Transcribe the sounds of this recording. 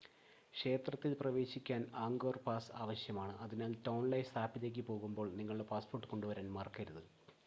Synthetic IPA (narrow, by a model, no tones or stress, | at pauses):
kʂe̞ːt̪rɐt̪ːilprɐʋe̞ːɕikʲːaːnaːŋɡoːrpaːsa̰ːʋɐɕjɐmaːɳɨʔɐðinaːltɐwnlɐjst̪ʰaːpːitːek̬ʲːipo̞ːɣumbo̞ːɭniŋːɐɭuɽe̞paːspo̞ːrʈːɨko̞ɳɖuʋɐɾaːnmɐrkɐɾuðɨ